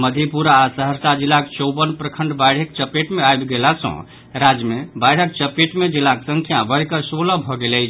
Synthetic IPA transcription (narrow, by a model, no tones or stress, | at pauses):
məd̪ʱepuɾaːsəɦəɾsad͡ʒilːakt͡ʃəwbənpɾəkʰəɳɖbajɽ̤ək̚t͡ʃəpeʈmeajbɡelasə̰̃ | ɾad͡ʒmebajɽ̤ək̚t͡ʃəpeʈmed͡ʒilːaksəŋkʰjabəɽkəsoləbʱɔɡelɛɪt͡ʃʰ